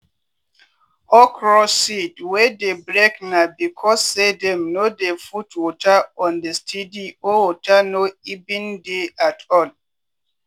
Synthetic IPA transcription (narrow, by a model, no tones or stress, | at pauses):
ɔkɾɔsitwedebɾeknabikʰɔsːedɛmnodefutwɔtaɔ̃ndestʰidiowotʰanoibĩndeʔatʰɔl